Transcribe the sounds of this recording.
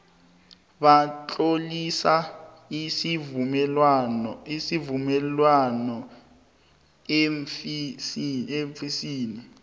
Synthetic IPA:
ɓat͡ɬʼolisa | is | isivumɛlwanɔ | isieɱfisiːni

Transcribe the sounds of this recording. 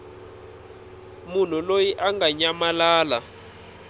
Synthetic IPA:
mun̤ulojiʔaŋɡaɲamalaːla

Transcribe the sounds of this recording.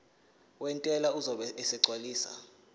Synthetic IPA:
wɛntʼɛlauzɔɓɛɛsɛǀwaliːsa̰

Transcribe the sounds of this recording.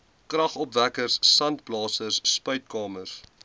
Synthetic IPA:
krɐχɔpvækərsːɐnt̚blɑːsərsːpœɥt̚kɑːmərs

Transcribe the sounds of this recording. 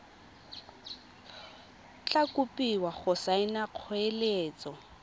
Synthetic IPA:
t͡ɬakʼʊpʼiwaχʊsaɪnaq͡χʰeleːt͡sʼɔ

